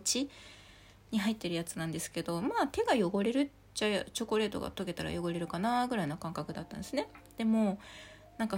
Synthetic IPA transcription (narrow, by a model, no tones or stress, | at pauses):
t͡ɕi | ɲ̟iɦait̪ːe̞ɾɯ̟jat͡sɨ̥nãnd̪e̞sɨ̥ke̞d̪o̞maːt̪e̞ɡajo̞ɡo̞ɾe̞ɾɯ̟ | ʑat͡ɕo̞ko̞ɾe̞ːt̪o̞ɡa̰t̪o̞ɡe̞t̪aɾa̰jo̞ɡo̞ɾe̞ɾɯ̟kanaɡɯ̟ɾainokãŋkakɯ̟d̪at̪ːa̰nd̪esɨned̪̥e̞mo̞ː | nãŋka